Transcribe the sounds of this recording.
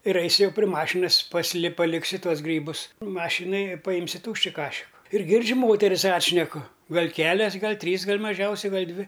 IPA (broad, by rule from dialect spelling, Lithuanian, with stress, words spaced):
ɪr ˈɐɪsʲʊ ˈjɛʊ pʲrʲɪ ˈmɑːʃʲɪnɐs pɐsʲɪˈlʲɪ pɐˈlʲɪksʲʊ ˈtuɔs ˈɡrʲiːbʊs ˈmɑːʃʲɪnɐj ɪ pɐˈjɪmʲsʲʊ ˈtuːʃʲt͡ʃʲɪ ˈkɑːʃʲɪkʊ ɪr ˈɡʲɪrʲd͡ʒʲʊ ˈmoːtʲɛrʲɪs ˈɑːtʲʃʲnʲɛkʊ ˈɡɐlʲ ˈkʲæːlʲɛs ˈɡɐlʲ ˈtʲrʲiːs ɡɐlʲ mɐˈʒʲɛʊsʲɛɪ ˈɡɐlʲ ˈdʲʋʲɪ